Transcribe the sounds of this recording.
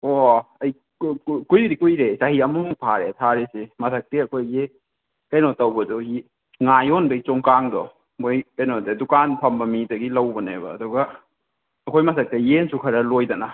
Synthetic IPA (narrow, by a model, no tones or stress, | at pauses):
oɐj | kujɾikujɾesahiɐmuŋpʰaɾḛtʰaɾesemɐsʰɐk̚teɐkʰojɡe | kɐjnɔtɐwbɐduhi | ŋajonbɐjt͡ʃoŋkaŋdɔ̰ | mojkɐjnɔdedukanpʰɐmbɐmidɐɡilɐwbɐnebɐ̰ːduɡɐː | kʰojmɐsʰɐk̚tejensukʰɐɾɐlojdɐna